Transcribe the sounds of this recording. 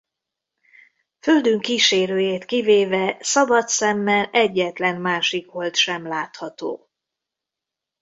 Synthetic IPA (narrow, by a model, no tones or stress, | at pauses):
føld̪yŋkiːʃeːɾøːjeːt̪kiveːvɛsɒbɒt̪sɛmːɛlɛɟːɛt̪lɛnmaːʃikʋo̞lt̪ʃɛmlaːt̪hɒt̪o̰ː